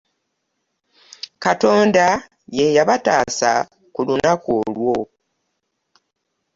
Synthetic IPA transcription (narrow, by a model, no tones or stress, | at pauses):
kato̞ːnda | jejaβataːsa | kulunakolwo̞